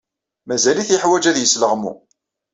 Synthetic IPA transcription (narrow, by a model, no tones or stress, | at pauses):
mæzæliθiħwæd͡ʒæðjəsləʁmṵ